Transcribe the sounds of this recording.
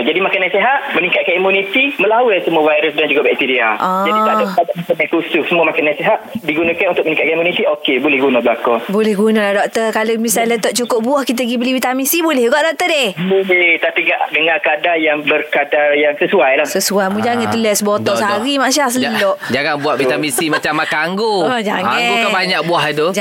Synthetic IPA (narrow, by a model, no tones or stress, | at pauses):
d͡ʒadimakanːaseɦat̪mənikat̪̚kanimunit̪iməlawəlsəmuavajɾʊsdand͡ʒuɡaʔbʔit̪idiaʔɔ̃d͡ʒaiaoadamakanakususəmuamakanːaseɦaʔ̪̚diɡunakanunt̪ʊk̚mənikat̪̚kaimunit̪iʔokebolɛhɡunabəlakɔbolɛhɡunalahdɔk̚t̪ərkalomisalɛt̪ɔʔ̚t͡ʃukʊʔbuahkit̪̬əɡibəlibit̪amĩsibolɛhɡaʔdɔk̚t̪ədehet̪apiɡaʔdəŋakadajaŋbərkadajaŋsəsuajlahsəsuajmũd͡ʒaŋat̪ulɛsbɔt̪ɔəɦaɾimãʔs̬ias̬əlɔʔd͡ʒaŋaŋbuaʔvit̪amĩsimat͡ʃamːakaaŋɡoad͡ʒaŋaŋaɡokabaɲak̚buaɦt̪ud͡ʒ